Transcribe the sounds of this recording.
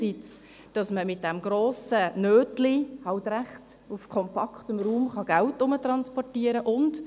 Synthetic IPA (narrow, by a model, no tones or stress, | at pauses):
it͡s | d̥ɑsməmɪt̚d̥ɛmɡɾoːsənøːtlihɑltɾæχt | ʊfkʰɔmpʰɑktəmɾuːmχɑɡ̥æltʊmətɾɑnspɔrtiːəɾəʔʊnd